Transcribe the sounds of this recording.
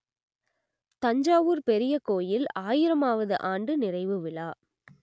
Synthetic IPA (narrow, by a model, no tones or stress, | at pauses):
t̪ɐɲd͡ʒaːʋuːɾpɛɾɪjɐkoːjɪlaːjɪɾɐmaːʋɐðɯʔaːɳɖɯnɪrɐɪʋɯʋɪɭaː